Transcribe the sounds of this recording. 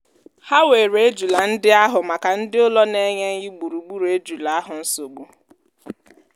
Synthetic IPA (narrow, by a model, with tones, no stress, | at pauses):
ha˦we˨ɾe˦d͡ʒu˨la˨n̩˦dɪ˦a˦ɦʊ˨ma˨ka˨n̩˦dɪ˦ʊ˦lɔ˦ne˦ɲe˦ɲɪ˦ɡ͡bu˨ɾu˨ɡ͡bu˦ɾe˦d͡ʒu˨la˨a˦ɦʊ˨n̩˦so˨ɡ͡bu˦